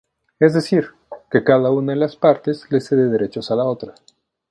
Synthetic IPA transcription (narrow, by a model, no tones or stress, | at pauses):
ezd̪e̞siɾ | ke̞kaðaunaðelaspaɾt̪e̞zle̞seðeðe̞ɾe̞t͡ʃo̞salao̞t̪ɾa